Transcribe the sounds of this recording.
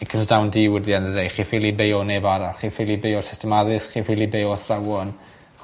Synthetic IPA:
ikʰəmsdawndiwɪðianərejχifilˠibejɔnɛbaɾaχifɪlˠibejɔsɪstʰɛmaðɨsχifilˠibejɔθrawɔn

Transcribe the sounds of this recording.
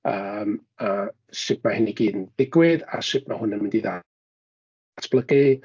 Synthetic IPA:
əːm | əː | sɪp̚ʰmahɪniɡiːdnd̥ɪɡwɪða̰sɪp̚ʰmahʊnəmɪndiða̰ | tʰb̥ləɡɨ

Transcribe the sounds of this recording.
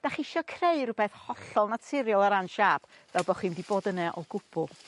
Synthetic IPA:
d̥aχɪʃɔkʰreɨrʊbɛθhɔɬɔlˠnatʰɪɾjɔlˠaɾanʃab̥ | vɛlˠbɔχwiːmdiboːdənɛʔɔɡʊbʰʊlˠ

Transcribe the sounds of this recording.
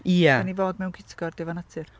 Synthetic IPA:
iːaanivoːd̚mɛwnkʰɪtʰɪ̥ɡɔrdɛvanatʰɨr

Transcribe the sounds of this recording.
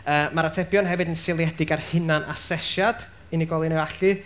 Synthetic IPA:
əːmaɾatʰɛbjɔnɦɛvɨdənsɪlˠjɛdɪɡarhɪnanʔa̰sɛʃjad̥ | ɨniɡɔlˠinɛwaɬɨ

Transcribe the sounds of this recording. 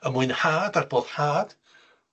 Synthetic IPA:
əmʊɨnħaːdarboːð̥ħaːd̥

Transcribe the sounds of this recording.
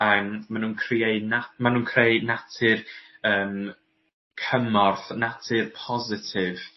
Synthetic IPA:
əːmːanuːnkʰrieɨnamanuːnkʰrejnatʰɪrəːm | kʰəmɔrθnatʰɪrpʰɔzɪtʰɪv

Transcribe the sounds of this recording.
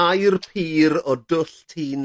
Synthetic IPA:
ajrpʰiːɾɔdʊɬtʰiːn

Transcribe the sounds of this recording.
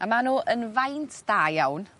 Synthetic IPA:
amanuːʔənvajntʰd̥aːjawn

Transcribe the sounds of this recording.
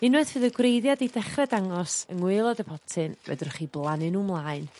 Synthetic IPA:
ɪnwɛðvɨðəɡwrejðjadidɛχrɛdaŋɔsə̰ŋwɪlˠɔdəpʰɔtʰɨnvɛ̰dʊrχiːblˠanɨnumlˠaːɨn

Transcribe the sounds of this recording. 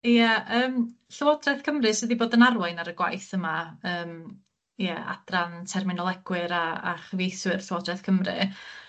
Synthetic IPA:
ijaəːm | ɬəwɔdrɛθkʰəmrɨsɨdiboːdənarwaɨnaɾəɡwa̰jθəmaəːm | jɛa̰d̥rantʰɛrmɪnɔlˠɛɡ̥wɨɾaa̰χvejθwɪr̥ɬəwɔdrɛθkʰəmrɨ̰

